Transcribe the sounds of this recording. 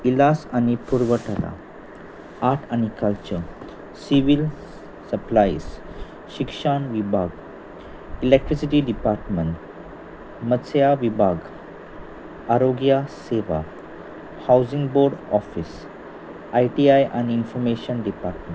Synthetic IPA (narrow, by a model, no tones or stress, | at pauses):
ilasanipuɾʋəʈəɾa̰ | aɾʈanikəlt͡ɕəɾ | siʋil | səplais | ʃikʂaɳʋibʱaɡ | ilek̚ʈɾisiʈiɖipaɾʈməɳʈ | məsjaʋibʱaɡ | aɾoɡjaseʋa̰ | hawzĩŋɡboɾɖɔfis | ajʈiajʔaniinfɔɾmeʃənɖipaɾʈmẽɳ